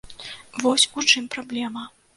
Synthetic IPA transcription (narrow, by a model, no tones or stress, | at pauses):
vɔsʲut͡ʂɨmpɾablʲɛmɐ